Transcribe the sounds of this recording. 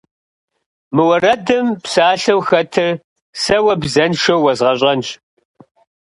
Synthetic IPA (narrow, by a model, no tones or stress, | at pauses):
mɨwɐrɐdɨmpsaːɬɐwxɐtʰɨ | sɐwɐbzɐnʃɐwːɐzʁɐɕʼɐnt͡ʃ